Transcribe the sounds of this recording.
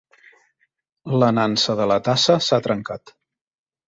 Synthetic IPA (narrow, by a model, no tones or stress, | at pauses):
lənansəðələt̪asəsat̪ɾəŋkat̪